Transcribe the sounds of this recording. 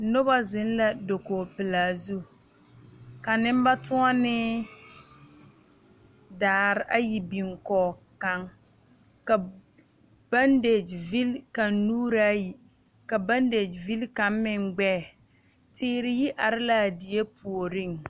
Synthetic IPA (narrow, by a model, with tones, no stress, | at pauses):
nʊ˦ba˦zɪ˦n˦la˨do˨koː˨pɪ˨laː˨zu˦ | ka˨nɪ˦m˦ba˦tʰu˦ɔ˦nɪ˦ | daː˨˦˨ɾɪ˦ʔa˦ji˨bi˨ŋkɔː˨ka˦ŋ | ka˨ | ba˦nde˨d͡ʒvi˦lka˨nːuː˦ɾa˦ji˨ | ka˨ba˦nde˨d͡ʒvi˦lka˨˦mmɪ˨ŋɡ͡bɛː˦˨ | tɪː˦ɾɪ˨ji˦ʔa˨ɾɪ˦la˨di˨e˦pʰu˨o˨ɾɪ˦˨ŋ